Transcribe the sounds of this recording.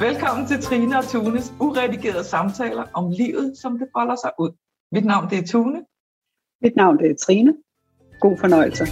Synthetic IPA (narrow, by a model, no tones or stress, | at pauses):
ʋelkʰɒ̽m̰n̩t͡sʰe̝lt͡sʰʁiːnəɒ̽t͡sʰuːnəsuʁɛd̥iɡ̥e̝ːɐðˠsɑ̈mt͡sʰɛ̰ːlɐʔɒ̽mliːʊð̞̩ˠsɒ̽md̥e̝fɒlɐsɑ̈ɪʔuð̰ˠ | mid̥nɑ̈ʊ̰nd̥e̝æɐt͡sʰuːnə | mid̥nɑ̈ʊ̰nd̥e̝æɐt͡sʰʁiːnə | ɡ̥o̝̰ːfɒnɒ̽ɪ̰l̩sə